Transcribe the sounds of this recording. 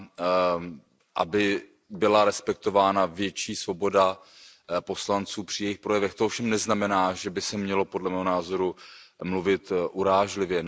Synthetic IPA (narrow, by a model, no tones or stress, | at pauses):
ʔa̰bɪ | bɪlaɾɛspɛk̚t̪o̞vaːnavjɛt͡ʃiːsvo̞bo̞da | po̞slant͡suːpr̥ɪjɛjɪxpɾo̞jɛvɛxt̪oofʃɛmnɛznamɛnaːʒɛbɪsɛmɲɛlo̞podlɛmɛːɦonaːzo̞ɾumluvɪt̪ʔuɾaːʒlɪvjɛ